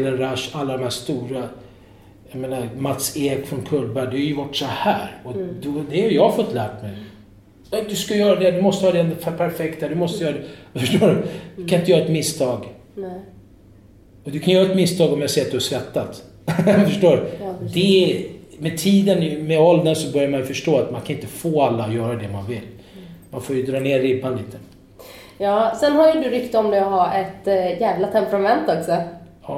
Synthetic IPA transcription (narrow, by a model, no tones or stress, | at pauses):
lːənɾaʂalːad̪ɔmhæːst̪uːɾa | jameːnamat̪seːɡfɾɔnkʰɵld̪bæɖɛhaɾjʉvaʈːsɔhæ̰ːɾɔd̪ɔhd̪ɛhaɾjɑɡfɔt̪ːlæːʈmɛj | ɛd̪ɵskajœːɾad̪ɛd̪ɵmɔst̪əhɑːd̪ɛnd̪fpʰæɾfɛkt̪hæd̪ɵmɔst̪əjœːɾad̪ɛfœʂʈoːɖɵd̪kʰanɪnt̪əjœɾaɛt̪mɪst̪ʰɑːɡ | ɔd̪ɵkʰanjœːɾaɛt̪mɪst̪ʰɑːɡɔmjasɛːat̪̚d̪ɵhaʂkɾat̪ːat̪ | fœʂʈoːɾd̪ɛ | mɛt̪ʰiːd̪ənmɛɔld̪ənsɔbœɾjaɾmanjʏfœʂʈoːat̪mankʰanɪnt̪əfoːalːaɔjœːɾad̪ɛma̰nvɪlː | manfoːjɵd̪ɾɑːneːɾɪpʰanliːt̪ʰːən | jɑːsɛnɦajɵd̪ɵɾʏkt̪ɔmd̪ɛɔɦaɾʔɛt̪jæːvlat̪ʰɛmpɾamɛnt̪ɔksɔ | ɑː